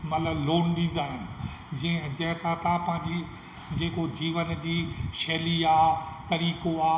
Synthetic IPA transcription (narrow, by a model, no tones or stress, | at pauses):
mɐt̪ləbloːnɗĩːn̆d̪aːɦɪnɪ̆ | d͡ʑɐ̃ɪ̃d͡ʑɐ̃ɦɪ̃sãt̪ãpɐ̃ɦɪ̃ɲd͡ʑi | d͡ʑeːkod͡ʑiːʋənd͡ʑiːʃɛːliaːt̪ɐɾiːkoaː